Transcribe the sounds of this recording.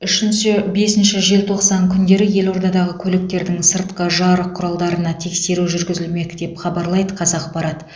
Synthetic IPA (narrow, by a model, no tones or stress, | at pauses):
ʏʃɪnʃɪbe̞sɪnʃɪʒe̞lt̪ʰo̞qsɑŋkʲʰʏnd̪e̞ɾɪje̞lo̞ɾd̪ɑd̪ɑʁəkʲʰɵlɪk̚t̪e̞ɾd̪ɪŋsəɾt̪̚qəʒɑɾəqʰːʊɾɑlˠd̪ɑɾənɑt̪ʰe̞kse̞ɾuʒʏɾɡʲɪzɪlme̞kd̪̥e̞pχɑbɑɾlˠɑjd̪əqʰɑzɑq̚bɑɾɑt̪ə